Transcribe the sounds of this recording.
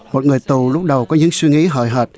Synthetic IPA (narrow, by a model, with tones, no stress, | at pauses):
mo˨˩t̚ŋɨ˨˩əjt̪u˨˩lʊ˦˥k͡p̚ɗə˨˩wkɔ˨˦ɲɨ̰˧˥ŋswi˧ŋḭ˧˥ɦɔ̰˧˨jɦəː˨˩t̚